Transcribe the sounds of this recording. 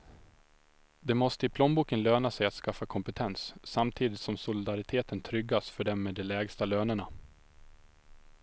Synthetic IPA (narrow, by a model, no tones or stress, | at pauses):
d̪ɛmɔst̪əɪpʰlɔnbuːkənløːnasɛjat̪skafːakʰɔmpət̪ʰɛnsːamt̪ʰiːd̪ɪt̪sɔmsʊlɪd̪aɾɪt̪ʰeːt̪ənt̪ʰɾʏɡːasfœɖɛmːɛd̪ɛlɛːɡst̪aløːnəɳa